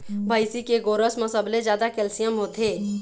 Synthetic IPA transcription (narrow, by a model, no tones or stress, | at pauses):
bʱəjsikeɡoːɾəsməsəbled͡ʒjaːd̪akɛlsijəmɦoːt̪eː